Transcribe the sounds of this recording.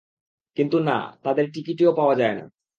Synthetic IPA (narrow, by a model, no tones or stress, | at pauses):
kint̪una̰t̪ad̪eɾʈikiʈeopaoad͡ʑaena̰